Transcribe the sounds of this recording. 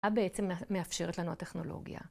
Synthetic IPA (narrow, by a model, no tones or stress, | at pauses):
abeet͡semːeafʃe̞ʁet̪lanuateχno̞lo̞̰ɡija̰